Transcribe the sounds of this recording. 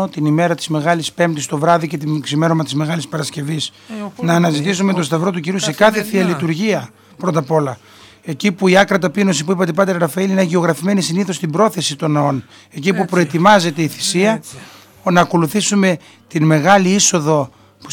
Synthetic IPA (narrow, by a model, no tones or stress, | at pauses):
ot̪inime̞ɾɐt̪i̥zme̞ɣɐlispe̞mt̪ist̪o̞vɾɐðice̞t̪̬imksime̞ɾomɐt̪izme̞ɣɐlispɐɾɐsce̞vis | nɐːnɐzit̪isumet̪ost̪ɐvɾo̞t̪uciɾuse̞kɐθe̞θiɐlit̪uɾʝiɐ | pɾo̞t̪ɐpo̞lɐ | e̞cipuiɐkɾɐt̪ɐpino̞s̬ipuipɐt̪epɐt̪eɾɾɐfɐilineʝeo̞ɣɾɐfime̞nisiniθo̞st̪ibɾo̞θe̞sit̪o̞nɐo̞n | e̞cipupɾo̞e̞t̪imɐze̞t̪e̞iθi̥siɐ | nɐːko̞luθisume̞ | t̪inme̞ɣɐliiso̞ðo̞ | pu